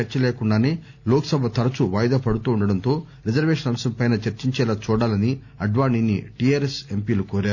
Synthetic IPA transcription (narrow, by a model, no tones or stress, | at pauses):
ɐɾt͡ʃɐleːkuɳɖaːneː | loːkɐ̥sɐbʱɐt̪ɐɾɐt͡ʃuʋaːjd̪ɐpɐɽut̪uːɳɖɐɽɐnt̪o̞ː | ɾid͡ʒɐɾʋeːʂɐnɐmɐsɐmpɐjnaːt͡ʃɐɾt͡ʃiɲt͡ʃɛːlaːt͡ʃuːɽaːlɐni | ɐɖʋaːɳiːnːḭʈiaːɾese̞mpiːlukoːɾaːɾu